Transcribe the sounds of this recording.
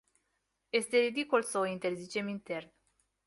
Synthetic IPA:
je̞st̪e̞ɾid̪ikulsəoint̪e̞rzit͡ʃe̞mint̪e̞rn

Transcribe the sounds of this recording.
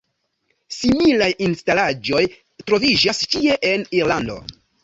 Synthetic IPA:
similajinstalad͡ʒo̞j | tɾo̞vid͡ʒast͡ʃie̞ʔe̞niɾlando̞̰

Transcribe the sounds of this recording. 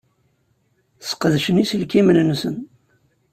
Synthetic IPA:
sqðʃənisəlkimənnsə̰n

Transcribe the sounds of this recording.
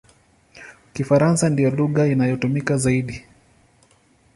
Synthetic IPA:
kifaɾansandijɔluɣainajɔtumikazaiɗi

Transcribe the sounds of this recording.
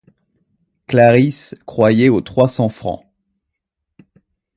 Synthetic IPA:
klaʁiskχwajɛot̪χwasɑ̃fχɑ̰̃

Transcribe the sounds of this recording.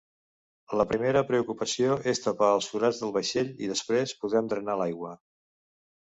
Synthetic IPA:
ləpɾimeɾəpɾəukupəsioʔest̪əpaːlˠsfuɾad͡zðəlˠβəʃeʎḭðəspɾespuðɾɛmd̪ɾənalajɣwə

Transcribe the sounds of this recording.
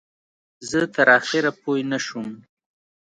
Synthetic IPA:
zət̪əɾɑxɪɾapojnaʃum

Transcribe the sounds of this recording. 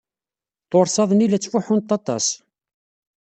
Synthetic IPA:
t̪oɾˤsɑðˤnilæt͡sːfuħʊnt̪ːɑt̪ˤɑ̰s

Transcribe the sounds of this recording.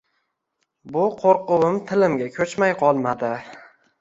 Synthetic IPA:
bʊqʰoɾqʊwɪmt̪ʰɪlɪmɡʲakʲʰɵt͡ʃmajqʰɒlˠmad̪ɪ

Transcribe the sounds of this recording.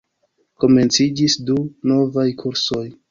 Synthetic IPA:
ko̞me̞nt͡sid͡ʒisduno̞vajkʰuɾso̞j

